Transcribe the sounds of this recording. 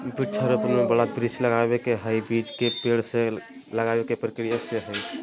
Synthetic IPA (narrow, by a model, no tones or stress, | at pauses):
biʈʰːəɾəpnmebəɽabɾisləɡabekeɦəjbid͡ʒkepeɽse | ləɡabekepɾəkɾijaseɦəj